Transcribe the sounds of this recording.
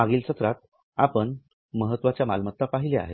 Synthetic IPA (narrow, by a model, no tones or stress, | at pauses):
aɡiːlsət̪ɾat̪̚ | apəɳ | məɦət̪ːʋat͡ɕjama̰lmət̪ːapaɦilea̰ɦḛ